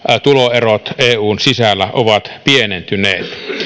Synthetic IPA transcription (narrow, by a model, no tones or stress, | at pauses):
t̪uloerot̪eːuːnsisælːæʔoʋɑt̪pienent̪yneːt̪